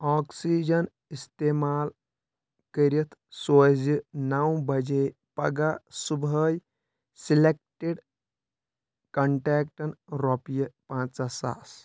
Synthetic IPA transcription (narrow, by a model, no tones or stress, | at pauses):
ɔːksid͡ʒɐn | ist̪emaːl | kəɾit̪ʰsozinawbɐd͡ʒe | pɐɡasubəj | silek̚ʈeɖ | kɐɳʈɛːk̚ʈɐnɾɔpijəpãːt͡sasa̰s